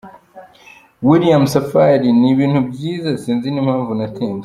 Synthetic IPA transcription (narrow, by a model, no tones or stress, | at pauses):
wilijamsafaɾiniβiːn̥hubɟiːzasiːnzinimhaːɱvunateːnze